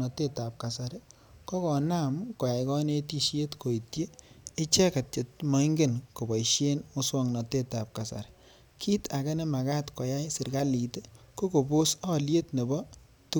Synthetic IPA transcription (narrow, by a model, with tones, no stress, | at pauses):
ɔ˨te˦ta˨p̚ka˨sa˨ɾe˦ | kɔ˦kɔ˨na˦˨mkɔ˨ja˨jkɔ˦ne˦ti˦ʃe˦tko˨i˨tjeː˦t͡ʃɛ˦ka˨t̚t͡ʃe˨t̚mɔ˨˦i˦ŋɡe˦nko˨bɔ˨iʃje˦nmo˦swɔ˦ŋnɔ˨te˦ta˨p̚ka˨sa̰˨ɾe̥ | kʰi˦tʰa˨ke˦ne˦ma˨ka˦tkɔ˨ja˦jsɪ˨ɾka˦li˨te˦ko˦ko˨bo˦sɔ˦˨lje˦tne˨bɔ˦ | tu˦